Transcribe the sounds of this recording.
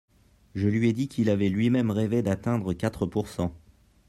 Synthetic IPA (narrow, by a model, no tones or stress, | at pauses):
ʒəlɥiɛd̪ikʲʰilavɛlɥimɛmʁeved̪at̪ɛ̃d̪ʁəkat̪χəpuʁsɑ̃